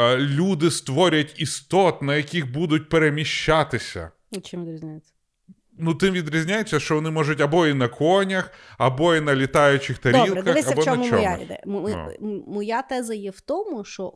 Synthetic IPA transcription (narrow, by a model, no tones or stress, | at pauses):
lʲud̪ɪst̪ʋɔɾʲɐtʲist̪ɔt̪nɐjɐkʲixbud̪ʊt̚ʲpeɾemʲiʃt͡ʃːat̪ɪsʲɐ̰ | ʊt͡ʃɪmʋʲɪd̪ɾʲizʲnʲajet͡sʲːɐ̥ | nut̪ɪmʋʲid̪ɾʲizʲnʲajet͡sʲːɐʃt͡ʃɔʋɔnɪmɔʒʊtʲɐbɔinɐkɔnʲɐxɐbɔinɐlʲɪt̪ɑjʊt͡ʃɪxt̪ɐɾʲilɛkɐʋɛɐbɔɔmɔja̰d̪ɛ̰ | mɔjat̪ɛzɐjɛwt̪ɔmʊʃt͡ʃɔ